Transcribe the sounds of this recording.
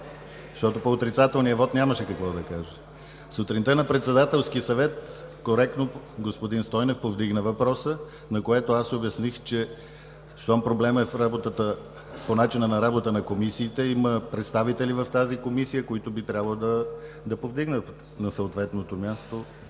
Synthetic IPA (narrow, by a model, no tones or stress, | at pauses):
zzʃt̪ɔt̪opoːt̪ɾit̪sat̪ɛlˠnijəvɔt̪nʲaməʃɛkɐkvɔd̪ɐkaʒə | sot̪ɾint̪ənɐpɾɛt̪sɛd̪at̪ɛlˠskiəsɐvɛt̪koɾɛk̚t̪no | ɡospod̪inst̪ɔjnɛfpovd̪iɡnəvɐpɾɔsə | nɐkoɛt̪oasobjɐsnixt͡ʃɛ | sampɾoblɛməɛfɾabot̪ət̪ə | ponat͡ʃinənɐɾabot̪ənɐkomisiːt̪ɛiməpɾɛt̪st̪avit̪ɛlivəft̪azikomisijəkoit̪obit̪ɾʲabəlˠd̪ə | d̪ɐpovd̪iɡnət̪ | nɐsəot̪vɛt̪not̪omʲast̪o